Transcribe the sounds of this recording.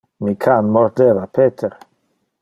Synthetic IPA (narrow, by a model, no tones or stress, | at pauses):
mikʰanmɔɾd̪evapʰeːt̪ʰeɾ